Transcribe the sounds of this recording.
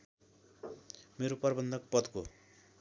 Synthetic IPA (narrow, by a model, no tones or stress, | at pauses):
meɾopʌrbʌnd̪ʱʌk̚pʌd̪ko̰